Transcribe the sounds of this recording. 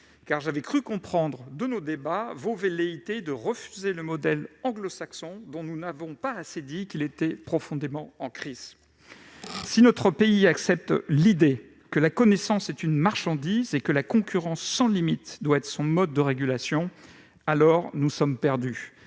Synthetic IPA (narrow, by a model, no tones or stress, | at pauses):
kaʁʒavɛkχykɔ̃pχɑ̃d̪ʁəd̪ənod̪ebavoveleit̪ed̪əʁəfyzeləmɔd̪ɛlɑ̃ɡlɔsaksɔ̃d̪ɔ̃nunavɔ̃paased̪ikʲilet̪ɛpχɔfɔ̃d̪emɑ̃ɑ̃kχiz̥ | sinɔt̪χəpeiaksɛp̚t̪lid̪e | kəlakɔnesɑ̃sɛt̪ynmaʁʃɑ̃d̪izekəlakɔ̃kʲyʁɑ̃sːɑ̃limit̪d̪waɛt̪χə̥sɔ̃mɔd̪ːəʁeɡʲylasjɔ̃ | alɔʁnusɔmpɛʁd̪y